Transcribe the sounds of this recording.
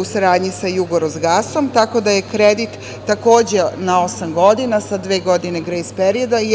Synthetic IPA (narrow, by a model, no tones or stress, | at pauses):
usaɾaːd̪ɲisajuɡoɾozɡaso̞mt̪ako̞d̪aje̞kɾed̪it̪ː | ako̞ːd͡ʑe̞nao̞samɡo̞d̪inasad̪ʋe̞ːɡo̞d̪ineɡɾejspeɾio̞d̪a